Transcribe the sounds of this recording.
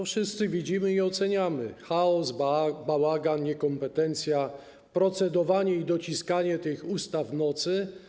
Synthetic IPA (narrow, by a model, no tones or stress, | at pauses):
fʂɘst̪sɘvʲid͡ʑimɘiɔt̪sɛɲamɘ̰xaɔzbawaɡanɲɛkɔmpɛt̪ɛnt̪sʲja | pɾɔt̪sɛd̪ɔvaɲɛid̪ɔt͡ɕiskaɲɛt̪ɘxust̪avnɔt̪sɘ